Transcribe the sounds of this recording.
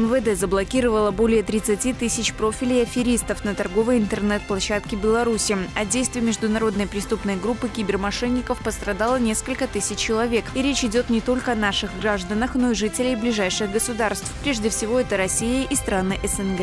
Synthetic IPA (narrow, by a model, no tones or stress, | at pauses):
ɛmvəd̪ɛzəblˠɐkʲiɾəvəlˠəbo̞lʲɪjət̪ɾʲɪt̪sɨtʲit̪ɨsʲɪt͡ɕpɾo̞fʲɪlʲɪɐfʲɪɾʲist̪əfnət̪ɐrɡo̞vəjɪnt̪ərnɛt̪̚plˠɐɕːat̪kʲɪbʲɪlˠɐɾusʲɪɐdʲejst̪vɪjmʲɪʐd̪ʊnɐɾo̞d̪nəjpɾʲɪst̪upnəjɡɾupːɨkʲɪbʲɪrmɐʂɛnʲːɪkəfpəst̪ɾɐd̪alˠənʲe̞skəlʲkət̪ɨsʲɪt͡ɕːɪlˠɐvʲe̞kiɾʲet͡ɕɪdʲo̞t̪nʲɪt̪o̞lʲkəɐnaʂɨɣɡraʐd̪ənəxno̞iʐɨtʲɪlʲɪjblʲɪʐajʂɨɣɡəsʊd̪arst̪fpɾʲe̞ʐdʲɪfsʲɪvo̞ɛt̪əɾɐsʲijəʔist̪ɾanɨʔɛsɛnɡɛ